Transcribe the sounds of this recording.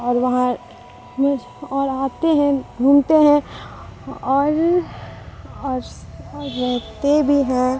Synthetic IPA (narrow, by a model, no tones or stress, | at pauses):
ɔːɾʋɐɦã | mẽ | ɔːɾaːt̪eɦɛ̃bʱuːmt̪eɦɛ̃ | ɔːɾ | ɔːɾː | ɛɦt̪ebʱiɦɛ̃